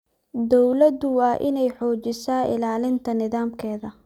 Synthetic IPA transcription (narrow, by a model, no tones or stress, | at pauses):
d̪ɔwlɐd̪ʊwɑːʔɪnɛjħɔːt͡ʃɪsaːʔɪ̰laːlɪnt̪ʰɐnɪðaːmkʰɛːðɐ